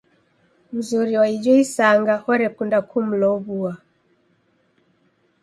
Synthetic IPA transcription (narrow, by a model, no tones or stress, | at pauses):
muzuɾiwaid͡ʒɔisaŋɡahɔɾɛkundakʰum̩lɔβua